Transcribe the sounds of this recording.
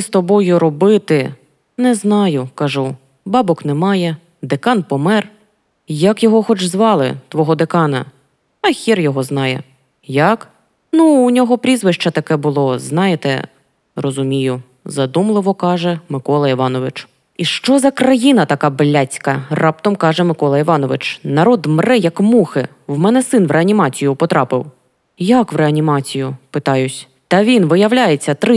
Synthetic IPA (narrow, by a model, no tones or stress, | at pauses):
st̪ɔbɔjʊɾɔbɪt̪ɪ | nɛznɑjʊkɐʒu | bɑbɔknɛmɑjɛ | d̪ekɑnpɔmɛr | jɐkjɔɦɔxɔt͡ʃzʋɑlˠɪ̰t̪ʋɔɦɔd̪ekɑnɐ̰ | ɐxʲirjɔɦɔznɑjɛ̰ | jɐk | nuːnʲɔɦɔpɾʲizʋɪʃt͡ʃɐt̪ɐkɛbʊlˠɔznɑjɪt̪ɛ̰ | rɔzʊmʲijʊ | zɐd̪umlˠɪʋɔkɑʒɛmɪkɔlˠɐiʋɑnɔʋɪt͡ʃ | iʃt͡ʃɔzɐkɾɐjinɐt̪ɐkɑblʲat͡sʲkɐrɑpt̪ɔmkɑʒɛmɪkɔlˠɐiʋɑnɔʋɪt͡ʃnɐɾɔd̪mɾɛjɐkmuxɪ | wmɛnɛsɪnʋɾʔeɐnʲimɑt͡sʲijʊpɔt̪ɾɑpɪw | jɐkʋɾeɐnʲimɑt͡sʲijʊpɪt̪ɑjʊsʲ | t̪ɐʋʲinʋɪjɐwlʲajet͡sʲːɐt̪ɾɪ